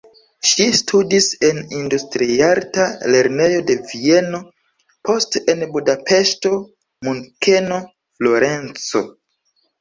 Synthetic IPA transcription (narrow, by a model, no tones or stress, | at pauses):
ʃistʰudise̞nindustɾiaɾtale̞ɾne̞jo̞de̞vie̞no̞ | po̞stenbudape̞ʃto̞ | muŋke̞no̞ | flo̞ɾe̞nt͡so̞̰